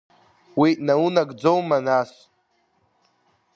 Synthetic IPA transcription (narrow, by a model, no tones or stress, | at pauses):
winaunaɡd͡zowmanas